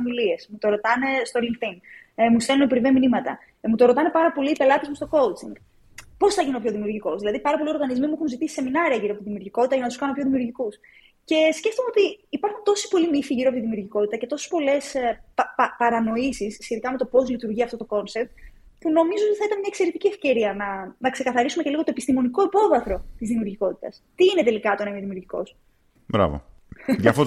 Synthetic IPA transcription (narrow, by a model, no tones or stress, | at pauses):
ɐmilie̞smut̪o̞ɾo̞t̪ɐne̞st̪oliŋkθiŋ | must̪elunopɾiveminimɐt̪ɐ | mut̪o̞ɾo̞t̪ɐne̞pɐɾɐpo̞liːpe̞lɐt̪ezmust̪o̞ko̞lt͡siŋɡ | po̞sθɐʝineopço̞ðimiuɾʝiko̞zðilɐðipɐɾɐpo̞lioɾɣɐnizmimuexunzit̪isse̞minɐɾiɐʝiɾoɐpot̪iðimiuɾʝiko̞t̪it̪ɐʝɐnɐt̪uskɐnopçoðimiuɾʝikus | ce̞sce̞ft̪omeo̞t̪iːpɐɾxunt̪o̞si̥po̞limifiʝiɾoɐpot̪iðimiuɾʝiko̞t̪it̪ɐce̞t̪o̞se̥spo̞le̞spɐpɐɾɐno̞isisːçet̪ikɐme̞t̪o̞po̞zlit̪uɾʝiɐft̪o̞t̪oko̞nsep̚t̪ | puno̞mizoot̪iθɐit̪ɐnmɲɐekse̞ɾet̪iciefce̞ɾiɐnɐnɐkse̞kɐθɐɾisumeceliɣo̞t̪o̞epist̪imo̞niko̞ipo̞vɐθɾo̞t̪izðimiuɾʝiko̞t̪i̥t̪ɐst̪iine̞t̪e̞likɐt̪onɐimeðimiuɾʝiko̞̰s | bɾɐ̰vo̰ | ʝɐfo